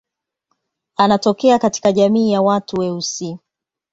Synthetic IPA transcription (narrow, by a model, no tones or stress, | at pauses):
anatɔkɛakati̥kaʄamiːjawatuwɛusi